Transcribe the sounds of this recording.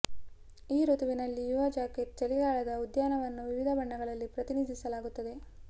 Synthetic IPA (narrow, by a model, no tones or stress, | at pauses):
iːɾut̪uʋinɐlːijuʋɐd͡ʒaːket̪̚t͡ʃɐliɡaːɭɐd̪ɐud̪jaːnɐʋɐnːuʋiʋid̪ʱɐbɐɳːɐɡɐɭɐlːipɾɐt̪inid̪ʱisɐlaːɡut̪ːɐd̪e̞